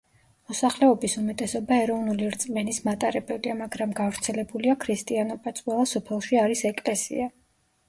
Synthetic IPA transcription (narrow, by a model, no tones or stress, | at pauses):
mɔsaχlɛɔbisumɛt̪ʼɛsɔbaɛɾɔvnuliɾt̪sʼmɛnismat̪ʼaɾɛbɛbiamaɡɾamɡavɾt̪sʰɛlɛbuliakʰɾist̪ʼianɔbat̪sʼwɛlˠasɔpʰɛlˠʃiaɾisɛkʼlɛsḭa